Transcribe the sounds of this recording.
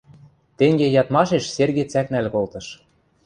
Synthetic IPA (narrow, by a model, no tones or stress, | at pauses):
t̪eŋɡejɑt̪mɑʃeʃserɣet͡sæknælkolt̪ɤ̆ʃ